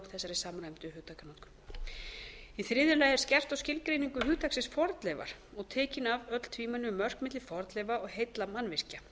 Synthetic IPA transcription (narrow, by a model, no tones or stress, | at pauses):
θɛsːaɾɪsaːmɾajmt̪ʏhʏːt̪ʰakanɔt̪kʏ̥m | iθɾɪðʏɾlaːjɛɾ̥scɛr̥t̪awscɪlkɾejniŋkʏɦʏːt̪ʰaksɪnsfɔɾt̪lɛva̰ɾ̥ɔɣt̪ʰɛːcɪnavœt̪l̥t̪ʰviːmanːʏmœr̥kmɪt̪lɪfɔɾt̪lɛvaɔɣɦejt̪lamanvɪr̥ca